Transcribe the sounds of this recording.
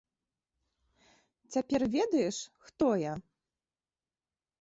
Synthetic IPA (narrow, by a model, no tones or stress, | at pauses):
t͡sʲapʲɛrvʲɛd̪ɐjɛʂxt̪ɔja